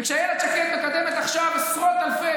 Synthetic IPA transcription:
kʃeajelat͡ʃakit̪mekad̪emet̪aχʃavesʁot̪alfe

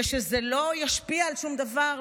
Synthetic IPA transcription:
ʃezelo̞jaʃpiaːlʃumd̪avaʁ

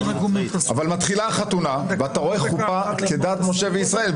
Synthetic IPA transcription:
avalmat̪χilaχat̪unaveat̪aʁo̞eχχupaked̪aːt̪moʃe̞veisʁae̞l

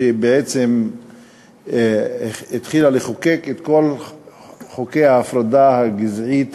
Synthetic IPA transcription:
ebeʕet͡sem | it̪χilaleχoke̞ket̪ko̞l | χokejaːfʁad̪ahaɡizʕit̪

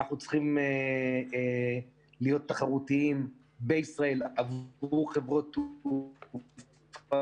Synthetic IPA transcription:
aχnut͡sχime | lijo̞t̪ːaχaʁut̪iim | beisʁae̞lavuχe̞vʁo̞t̪

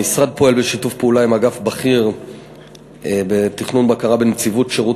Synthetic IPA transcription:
isʁad̪̚po̞e̞lbeʃitufpeulaimaɡafbaχiʁ | betiχnunbakaʁabenet͡sivutʃeʁu

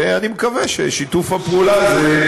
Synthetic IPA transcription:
animekavɛʃḛʃit̪ufapulaze

